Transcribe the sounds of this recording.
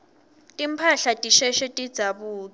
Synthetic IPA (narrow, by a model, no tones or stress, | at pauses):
tʼim̩pʰaɬatʼiʃɛʃetʼid̥d͡z̥ʱaβuːt͡sa